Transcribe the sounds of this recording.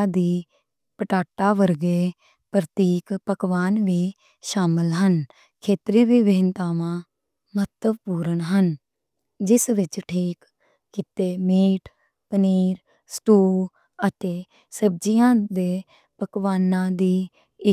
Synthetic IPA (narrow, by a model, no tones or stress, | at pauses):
d̪iː | pəʈaːʈaːʋəɾɡeː | pɾət̪iːkpəkʋaːnʋiː | ʃaːmɪlɦən | kʰeːt̪ɾiːʋiːʋeːnt̪aːʋãː | mət̪əbpuːɾənɦən | d͡ʒɪsʋɪt͡ʃʈʰiːkː | ɪt̪eːmeːʈʰ | pəniːɾ | sʈuː | ət̪eː | səb̚d͡ʒijãːd̪eː | pəkʋaːnãːd̪iː | ɪ